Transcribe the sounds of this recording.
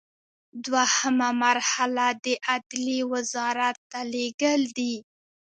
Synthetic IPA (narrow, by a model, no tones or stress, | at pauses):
d̪wahəmamaɾhalad̪əʔad̪liwazɑɾat̪ːaleɡəld̪i